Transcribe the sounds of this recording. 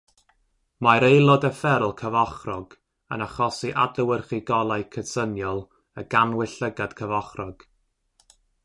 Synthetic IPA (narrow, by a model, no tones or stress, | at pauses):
majɾejlˠɔdəfɛɾlˠkʰəvɔχrɔɡ̥ | ə̰naχɔsiʔadləwərχiɡɔlˠajkʰədsənjɔlˠ | əɡanwɪɬəɡad̥kʰəvɔχrɔɡ̥